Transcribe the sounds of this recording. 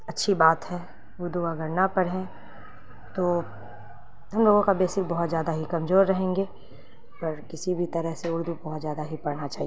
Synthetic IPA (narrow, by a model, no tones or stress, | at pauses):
ɐtːʃʰibaːt̪ɦɛ | ʊɾd̪uɐɡəɾnapɐɽɦẽ | t̪oː | ɦɐmloːɡõkabeːsɪk̚bɐɦʊt̪zjaːd̪aɦikɐmzoːɾːɐɦẽːŋɡe | pɐɾkɪsibʱit̪ɐɾəɦseʊɾd̪ubɐɦʊt̪zjaːd̪aɦipɐɽnat͡ʃaːɦie